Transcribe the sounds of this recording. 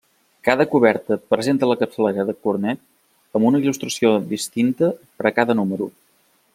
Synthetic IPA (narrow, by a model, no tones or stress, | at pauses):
kaðəkuβ̞ɛɾt̪əpɾəzent̪ələkəpsəleɾəðəkuɾnɛt̪̚ | əmbunəilust̪ɾəsiod̪ist̪int̪əpəɾəkaðənuməɾṵ